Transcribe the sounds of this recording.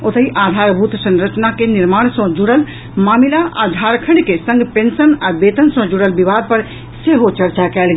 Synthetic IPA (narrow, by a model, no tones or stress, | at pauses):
ot̪əɦiʔad̪ʱaɾbʱut̪sə̃nɾət͡ʃnakeniɾmaɽ̃sɔ̃d͡ʒuɽəl | mamilaʔa̰d̪ʱaɾkʰəɳkesə̃ŋɡpẽnsənabet̪ənsə̃d͡ʒuɽəlbibad̪̚pəɾ | seɦot͡ʃəɾt͡ʃakɛlɡ